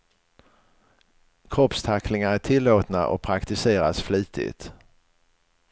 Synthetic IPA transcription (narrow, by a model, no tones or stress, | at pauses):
kʰɾɔpst̪ʰaknɪŋaæʈʰɪlːoːt̪na̰ʔɔ̰pʰɾakt̪ɪseːɾasfliːt̪ɪ̰t̪